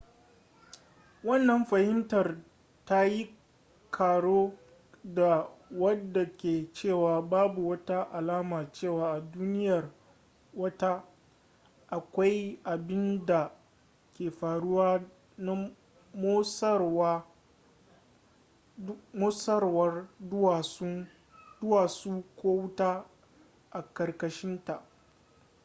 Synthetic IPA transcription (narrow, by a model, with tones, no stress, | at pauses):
wɐ˦˨nːɐ˨mɸɐ˨hɪ˦mtɐ˨r | ta˦ji˦ | kʰaː˨ɽoː˦ | da˨wɐ˦dːa˨kʲeː˨t͡ʃeː˦˨waː˨baː˦bu˨wɐ˦ta˦ʔa˨laː˦maː˨t͡ʃeː˦˨waː˨ʔa˨duː˦nɪ˦jɐ˨r | wɐ˦ta˦ | ʔa˨kʷa˦jʔa˨bɪ˦nda˨ | kʲeː˨ɸaː˨ɽʊ˦waː˦ | na˦ | moː˦sɐ˦wa˦ | moː˦sɐ˦rwɐ˦ra˨˦ | dʊ˦waː˨suː˦kʷoː˦wʊ˦ta˦ | ʔa˨kɐ˨rkɐ˦ʃɪ˦nta˨ʔ